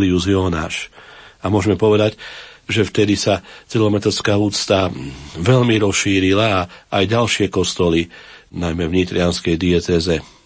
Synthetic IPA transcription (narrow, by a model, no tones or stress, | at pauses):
liuziɔna̰ːʃamʊɔʒmɛpɔʋɛd̪aɟʒɛft̪ɛd̪isat͡silɔmɛt̪ɛskaːuːt͡st̪aʋɛʎmiɾɔsʃiːɾilaːajɟalʃɪɛkɔst̪ɔlinajmɛʋɲit̪ɾianskɛjd̪iɛt͡sɛzɛ